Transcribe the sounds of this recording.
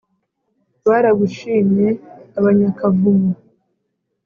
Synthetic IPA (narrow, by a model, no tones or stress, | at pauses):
βaɾaɡuʃiːneaβaɲakavumu